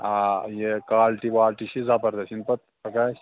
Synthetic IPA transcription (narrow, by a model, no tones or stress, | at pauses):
ajekaːlʈiʋaːlʈiʃʰizapɐɾd̪ɐsʰinpɐt̪̚ | ɐkaː